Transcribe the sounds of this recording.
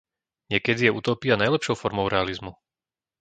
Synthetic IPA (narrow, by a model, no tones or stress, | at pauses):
ɲɪɛkɛd̪ijɛuːt̪ɔːpianajlɛpʃɔʊfɔɾmɔʊɾɛalizmu